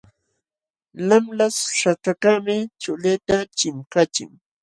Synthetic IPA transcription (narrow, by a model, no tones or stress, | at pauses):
lamlasʂaʈ͡ʂakamɪt͡ʃʊlet̪at͡ʃɪmkat͡ʃɪ̰ŋ